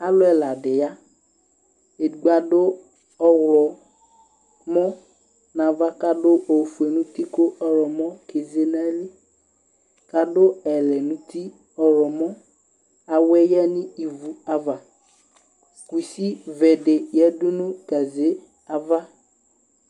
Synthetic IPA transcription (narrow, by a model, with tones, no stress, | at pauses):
a˦lʊ˦ɛ˨la˨dɪ˨ja˦ | e˨ɡ͡ba˨dʊ˦ | ɔ˦wlɔ˨ | mɔ˦ | nã˨va˦ka˦dʊ˦ʔo˨fu˨e˨nũ˦ti˦kʊ˦ɔ˦ɾɔ˨mɔ̃˦ke˨ze˦na˦li˦ | ka˨dʊ˦ɛ˨lɛ˨nũ˦ti˦ | ɔ˨ɾɔ˨mɔ˦ | a˨wɛ˦jɛ˦nɪ̃˦i˨vu˨a˦va˨ | ku˨si˦vɛ˨dɪ˨jɛ˦dʊ˦nʊ̃˦ka˨ze˦ | a˦va˦